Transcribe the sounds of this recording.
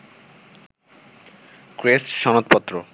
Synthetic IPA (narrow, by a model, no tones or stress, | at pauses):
kɾesʃɔnot̪pɔt̪ːɾo